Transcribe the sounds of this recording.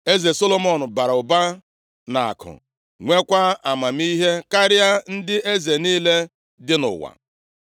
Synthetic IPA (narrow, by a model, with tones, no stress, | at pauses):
e˦ze˨so˦lo˦mɔ˦˨nʊ˨ba˨ɾa˨ʊ˨ba˦ | na˨a̰˨kʊ̰˨ | ŋʷe˦kʷa˦a˨ma˨m̩˦i˦ɦe˦ka˦ɾja˦n̩˦dɪ˦ʔe˦ze˨niː˦le˦ | dɪ˦nʊ̰˨wa̰˨